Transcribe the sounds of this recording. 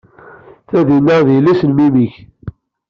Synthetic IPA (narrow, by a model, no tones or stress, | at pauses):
θæðinːæðilæsənmimiç